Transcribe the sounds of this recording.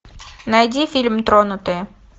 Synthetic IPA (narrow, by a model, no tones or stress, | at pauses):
nɐjdʲifʲilʲmt̪ɾonʊt̪ɨ